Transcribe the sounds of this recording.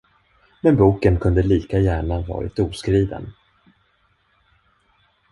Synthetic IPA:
mɛnbuːkənkʰɵnd̪əliːkajæːɳavɑ̰ːɾɪ̰t̪uːskɾiːvə̰n

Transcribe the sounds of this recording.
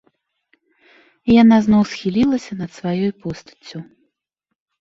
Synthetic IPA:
ijanaznɔwsxʲilʲilˠɐsʲɐnɐt̪svajɔjpɔst̪ɐ̥t͡sʲːu

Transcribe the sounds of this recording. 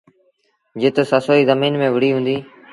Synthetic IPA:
d͡ʒɪt̪səsoːiːzəmiːnmẽːʋɪɽ̤iːɦũːnd̪iː

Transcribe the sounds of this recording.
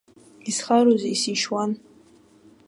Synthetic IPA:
isχaɾuzisiʃwan

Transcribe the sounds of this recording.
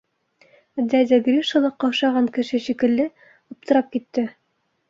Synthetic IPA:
d̪æd̪ʲæɡrʲiʃŏlˠɤqːɑʃɑʁɑŋkɘ̆ʃɘʃikɘ̆lːɘ | ŏp̚t̪ɤ̆ɾɑp̚kit̪ːɘ

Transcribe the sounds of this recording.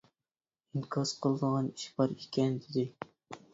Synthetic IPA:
iŋkʰɑz̥qʰəlˠɨd̪əʁɑni̥ʃbɑɾekʲʰɛnd̪ed̪ɪ

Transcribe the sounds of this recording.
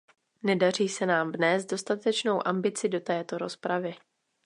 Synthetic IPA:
nɛdar̝iːsɛnaːmvnɛːst̪̚do̞st̪at̪ɛt͡ʃno̞wʔambɪt͡sɪdo̞t̪ɛːt̪o̞ɾo̞spɾavɪ

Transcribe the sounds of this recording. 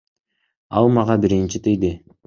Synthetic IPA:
ɑlˠmɑʁɑbiɾint͡ʃit̪ejd̪ɪ

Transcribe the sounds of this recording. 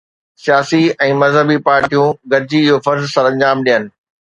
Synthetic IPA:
sijaːsiɛ̃ːmɐzɦəbipaːɾʈijũɡɐɾd͡ʑiɪɦofɐɾzsɐɾɐ̃ɲd͡ʑaːmɗijənɪ̆

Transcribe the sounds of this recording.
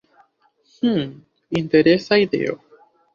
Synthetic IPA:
h̩ | int̪eɾesaiðḛo̰

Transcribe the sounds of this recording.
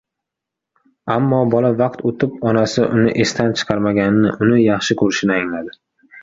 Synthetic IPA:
amːɒbɒlavɑqt̪ʰot̪ʰɪp̚ɒnasɪʔʊnɪ̰ʔe̞st̪ʰant͡ʃʰɨ̥qʰɑɾmaɡʲannɪʔʊnɪjɑχʃɪkʰɵɾɪʃɪnɪaŋlad̪ɪ

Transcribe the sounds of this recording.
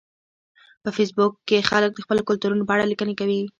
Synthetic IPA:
pəfes̬bʊkːexalək̚d̪əxpəlokʊlt̪uɾunopɑɽalikənekawi

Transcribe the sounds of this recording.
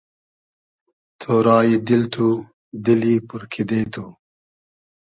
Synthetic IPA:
t̪ʰoːɾaːjid̪ilt̪ʰu | d̪ilipuɾkʰid̪eːt̪ʰu

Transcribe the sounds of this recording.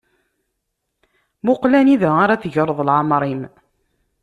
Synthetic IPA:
mʊqlæniðæaɾæθʝəɾˤðˤlʕamɾˤim

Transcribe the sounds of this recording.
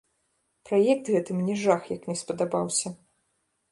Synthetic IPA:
pɾajɛk̚t̪ɣɛt̪ɨmnʲɛʐaxjɐknʲɛspɐd̪abawsʲɐ

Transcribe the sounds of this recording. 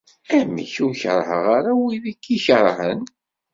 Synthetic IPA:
æmḭçuçə̰ɾˤhəʁaɾawiðikːiçəɾˤhə̰n

